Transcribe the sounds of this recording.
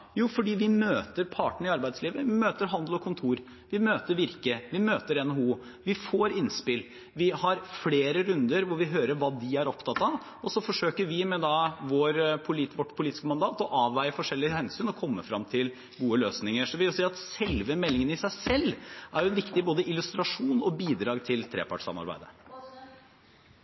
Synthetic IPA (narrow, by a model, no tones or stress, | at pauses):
juːfɔɖiːʋɪmøːt̪əɾpʰɑːʈəɳ̩ɪɑɾbæɪsliːʋəʋɪmøːt̪əɾɦɑnd̪l̩ɔkʰʊnt̪ʰuːɾ | ʋɪmøːt̪əɾʋɪɾkəʋɪmøːt̪əɾɛnɔhuː | ʋɪfoːɾɪnspɪl | ʋɪhɑɾfleːɾəɾʉnd̪əɾʋʊɾʋɪɦøːɾəɾʋɑːd̪ɪæɾɔpt̪ʰɑt̪ːɑʋ | ɔsɔfɔʂøːkəɾʋɪmɛd̪ɑʋoːɾpʰʊliːt̪ʋɔʈːpʰʊliːt̪ɪskəmɑnd̪ɑːt̪ɔʔɑːʋʋæɪəfɔʂɛlːɪhɛnsyːnɔkʰɔmːəfɾɑmt̪ʰɪl | ɡuːəløːsnɪŋəʂɔʋɪɔsiːɑt̪sɛlʋəmɛlːɪŋənəɪsæɪsɛlːʔæɾjʊɛnʋɪkt̪ɪboːd̪əʔɪlʉst̪ɾɑʂuːnɔbiːd̪ɾɑːɡt̪ʰɪlt̪ʰɾḛːpʰɑ̰ʈsɑ̰mɑ̰ɾbæ̰ɪd̪ə